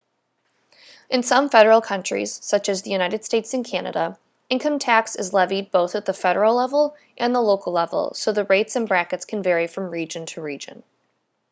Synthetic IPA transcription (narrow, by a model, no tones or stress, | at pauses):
ʔɨ̃nsʌ̃ɱfɛɾə˞l̩ˠkʰʌ̃nt͡ʃɹ̥ḭz̥sʌt͡ʃɨzðɨjʉñaɪɾɨd̥steɪtsɨ̃nkʰænɨ̰ɾə̰ | ɪ̃nkʰʌ̃mtʰæksɨzlɛvid̚boʊθɨt̪̚ðəfɛɾə˞l̩ˠlɛvl̩ˠ | ʔɨ̃nðəloʊkl̩ˠlɛvl̩ˠsoʊðɨɹeɪtsɨ̃nbɹækɨtskʰɨ̃nvɛɹifɹʌ̃mɹid͡ʒɨ̃ntʰɨɹid͡ʒɨ̰̃n